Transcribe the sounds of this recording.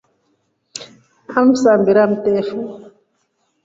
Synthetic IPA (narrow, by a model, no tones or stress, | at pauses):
am̩sambiɾam̩tɛfu